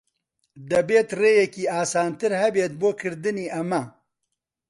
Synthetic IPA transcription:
d̪ɐbeːt̪reːjɐkiːaːsaːnt̪ɨɾhɐbeːt̪̚boːkʰɨɾd̪ɨniːʔɐmɐ

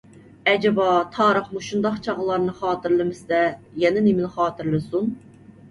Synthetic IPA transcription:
ɛd͡ʒɛbɑt̪ʰɑːɾəχmuʃund̪ɑqt͡ʃʰɑʁəlˠɑɾnɨχɑːt̪ʰɨɾlˠɨmɪsd̪ɛjɛnɪnemɪnχɑːt̪ʰɨɾlˠɨsun

